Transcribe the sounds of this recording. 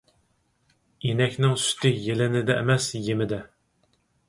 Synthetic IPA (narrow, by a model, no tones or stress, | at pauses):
enɛkʲnɪŋsy̥t̪ʰɪjelɪnɪd̪ɛʔḛmɛsjemɪd̪ɛ